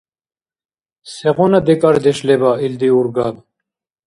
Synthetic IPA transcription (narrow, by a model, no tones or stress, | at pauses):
seʁonɐd̪ekɐɾd̪eʂlebaːild̪iuɾɡaːd̪